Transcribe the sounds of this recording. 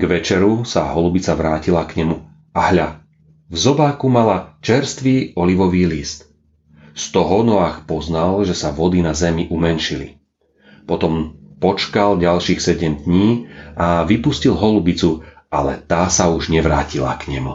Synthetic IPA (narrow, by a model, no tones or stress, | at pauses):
ɡʋɛt͡ʃɛɾusa̰ɦɔlubit͡saʋɾaːcilakɲɛmu | aɦʎa | vzɔbaːkumalat͡ʃɛɾst̪ʋiːɔliʋɔʋiːliːst̪ | st̪ɔɦɔnɔaːxpɔznalʒɛsaʋɔd̪inazɛmiʔumɛnʃilḭ | pɔt̪ɔmpɔt͡ʃkalɟalʃiːxsɛɟɛmd̪ɲiːʔaʋipuscilɦɔlubit͡su | ʔa̰lɛ̰t̪aːsauʒɲɛʋɾaːcila̰kɲɛmu